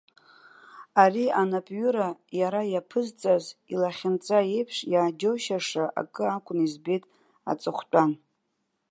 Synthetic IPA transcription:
arianapʼɥʏɾajaɾajapʰɨzt͡sʼazilaχʲɪnt͡sʼaejpʰʂjaːd͡ʒowʃaʂaʔa̰kʼɨakʷʼʊnizbejtʼ | a̰t͡sʼɨχʷt͡pʷʼan

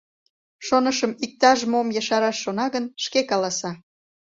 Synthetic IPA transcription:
ʃonəʃəmik̚t̪ɑʒmomjɑʃɑɾɑʃːonɑɣənʃkekɑlɑsɑ

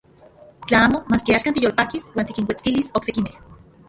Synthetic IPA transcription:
t͡ɬaaːmomaːskiaːʃkant̪ijolpakiswaːnt̪ikiŋwʷet͡skilisoksekimeh

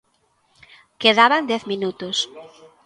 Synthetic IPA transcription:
keðaβand̪ɛθmĩnut̪ʊs

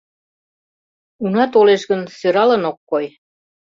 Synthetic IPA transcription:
unɑt̪oleʃɣə̆nsøɾɑlɤ̆nokːoj

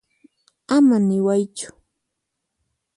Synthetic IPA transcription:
amanɪwajt͡ʃʊ̥

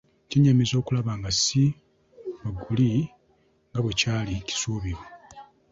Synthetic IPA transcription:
ceɲːamizo̞ːkulaβaːŋɡasi | βaɡːuli | ŋɡaβwe̞caːlici̥suːβiɾo

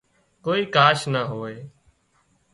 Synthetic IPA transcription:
koːiːkaːʃnaːɦoːeː

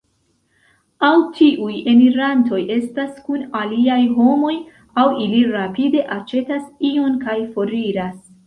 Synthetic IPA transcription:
awtʰiʔuje̞miɾanto̞jʔe̞staskunaliajɦo̞mo̞j | awiliɾapide̞ʔat͡ʃe̞tasio̞nkajfo̞ɾiɾas

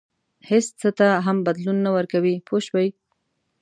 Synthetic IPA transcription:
hest͡sət̪aɦambad̪lunːawəɾkawipʰoʃbaj

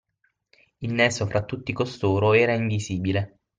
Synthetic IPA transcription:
ilnɛːsofɾat̪ːut̪ːikost̪oːɾoɛːɾaiɱviziːbile

